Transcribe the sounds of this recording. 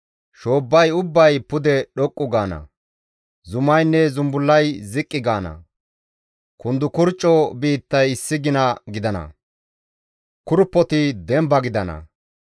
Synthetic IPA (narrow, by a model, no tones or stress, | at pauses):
ʃo̞ːbːɐjʊbːɐjpʊd̪ɛɗɔkʼːʊɡaːnɐ̰ | zʊmɐjnːɛzʊmbʊlːɐjzɪkʼːɪɡaːnɐ̰ | kʊnd̪ʊkʊɾt͡ʃʼːɔbiːt̪ːɐjɪsːɪɡɪnɐɡɪd̪ɐnɐ̰ | kʊɾpːɔt̪ɪd̪ɛmbɐɡɪd̪ɐnɐ̰